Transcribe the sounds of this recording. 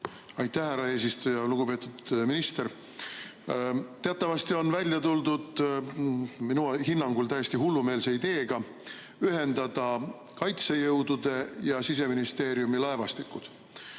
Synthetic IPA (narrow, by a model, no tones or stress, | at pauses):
ɑjt̪ːˑæhæɾɑe̞ːs̬ist̪ujɑluɡ̥upe̞ːt̪ːˑud̪̥minist̪e̞ɾ | t̪e̞ɑt̪ːˑɑvɑst̪io̞nvælʲjɑt̪uld̪ud̪̥ | minuhinːɑŋɡ̥ult̪æjest̪iɦulːume̞ːlseid̪e̞ːɡ̥ɑ | yɦe̞nd̪̥ɑd̪̥ɑ | kɑjt̪sejɤwd̪ud̪̥e̞jɑsis̬e̞minist̪e̞ːɾiumilɑe̞vɑst̪ikːˑud̪̥